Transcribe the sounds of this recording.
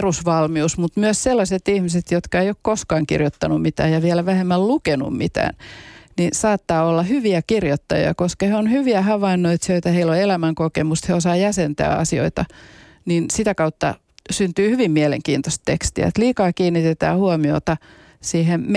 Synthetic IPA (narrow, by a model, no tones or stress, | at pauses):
rusʋɑlmiusmut̪myøsselːɑset̪ihmiset̪jot̪kɑeijokkoskɑːŋkḭrjot̪ːɑnummit̪æ̰ːjɑʋiɛlæʋæhemːællukenṵmmit̪æ̰ːnninsɑːt̪ːɑːolːɑhyʋiækirjot̪ːɑjḭɑ̰koskɑheonhyʋiæhɑʋɑinːoit̪søit̪æheilːoelæmæŋkokemust̪heosɑːjæsent̪æ̰ːɑ̰sio̰it̪ɑ | ninsit̪ækɑut̪ːɑ̰ | synt̪yːhyʋimmiælḛŋkiːnt̪ost̪t̪ekst̪ḭæ̰et̪liːkɑːkiːnːit̪et̪æ̰ːhuɔmio̰t̪ɑ | siːhem